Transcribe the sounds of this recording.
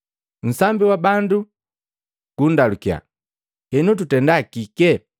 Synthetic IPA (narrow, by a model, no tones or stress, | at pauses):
n̩sambiwabandu | ɡ̥undalukja̰ | hɛnut̬utɛndakikɛ